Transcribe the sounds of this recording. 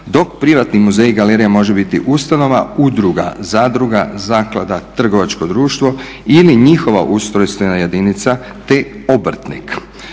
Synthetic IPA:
d̪o̞k̚pɾiʋat̪nimuzejɡaleɾijemo̞ʒebit̪ḭʔust̪ano̞ʋaud̪ɾuɡa̰zaːd̪ɾuɡazaːklad̪at̪r̩ɡo̞ʋat͡ʃko̞d̪ɾuːʃt̪ʋo̞ | iliɲixo̞ʋa̰ʔust̪ɾojst̪ojenajed̪init̪sa | t̪eobr̩t̪nḭk

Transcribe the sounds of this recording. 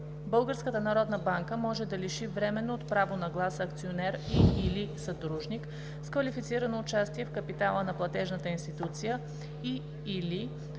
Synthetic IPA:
bɤlˠɡəɾskət̪ənɐɾɔd̪nəbaŋkəmɔʒɛd̪ɐliʃivɾɛmɛnoːt̪pɾavonɐɡlˠasɐːk̚t̪sionɛɾiːlisɐd̪ɾuʒnik | skvɐlifit̪siɾənoːt͡ʃast̪iɛfkəpit̪alˠənɐplˠɐt̪ɛʒnət̪əinst̪it̪ut̪sijə | iː | li

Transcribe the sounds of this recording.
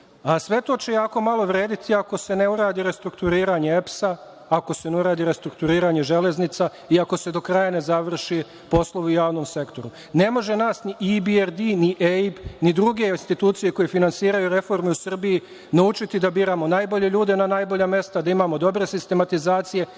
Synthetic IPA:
asʋe̞t̪o̞ːt͡ɕe̞jaːko̞malˠo̞ʋɾe̞ːd̪it̪ʰiako̞se̞ne̞uɾaːd̪iɾe̞st̪ɾukt̪uɾiːɾaɲe̞epsa | ako̞se̞nuɾaːd̪iɾe̞st̪ɾuk̚t̪uɾiːɾaɲe̞ʒe̞le̞znit̪sa | iako̞se̞d̪o̞kɾajane̞zaʋr̩ʃi | po̞slˠoʋeujaːʋno̞mse̞kt̪o̞ɾu | ne̞mo̞ʒe̞naːsniʔibieɾd̪iniʔeipnid̪ɾuɡe̞inst̪it̪uːt̪sije̞ko̞je̞finansiːɾajuɾe̞fo̞ɾmeusr̩biji | naut͡ʃit̪id̪abiːɾamo̞naːjbo̞ʎe̞ʎuːd̪e̞nanaːjbo̞ʎame̞st̪ad̪aimaːmo̞d̪o̞bɾe̞sist̪e̞mat̪izaːt̪sije̞

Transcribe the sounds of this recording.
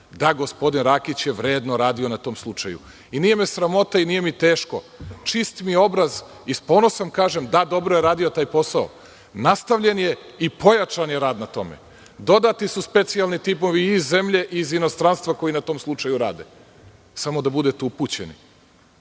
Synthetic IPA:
d̪aɡospo̞d̪inɾaːkit͡ɕjeʋɾe̞ːd̪noɾaːd̪io̞nat̪o̞ːmslˠut͡ʂajṵ | inije̞mesɾamo̞t̪ainije̞mit̪eːʃko̞ | t͡ʂist̪mio̞bɾaz | ispoːnosamkaːʒemd̪ad̪o̞bɾojeɾaːd̪iot̪aːjpo̞sao | nast̪aʋʎe̞nje̞ | ipo̞jat͡ʃanjeɾaːd̪nat̪o̞̰mḛ | d̪o̞d̪at̪isuspe̞t̪sialˠnit̪ipo̞ʋiːzːe̞mʎe̞ʔizino̞st̪ɾanst̪ʋako̞jinat̪oːmslˠut͡ʃajuɾa̰ːd̪ḛ | samo̞d̪abud̪et̪eupuːt͡ɕḛnḭ

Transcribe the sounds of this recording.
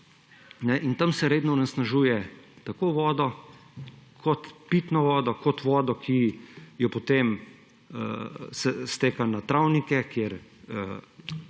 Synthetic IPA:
nɛʔint̪amsɛɾeːd̪nɔunasnaʒuːjɛt̪akoʋɔːd̪ɔ | kʰɔt̪piːt̪nɔʋɔːd̪ɔkɔt̪ʋɔːd̪ɔkʰijɔpɔt̪em | ə̰sɛst̪eːkanat̪ɾawnikɛkjeɾə

